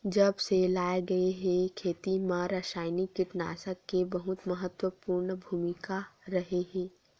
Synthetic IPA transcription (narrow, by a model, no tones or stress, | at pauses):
d͡ʒɐbselaːeɡɐeɦɛ̃kʰeːt̪imãɾəʃaːjnikɪʈna̰ːsəkːebɐɦʊt̪mɐɦət̪wəpuːɾɳbʱuːmɪkaɾɐɦeɦɛ̃ː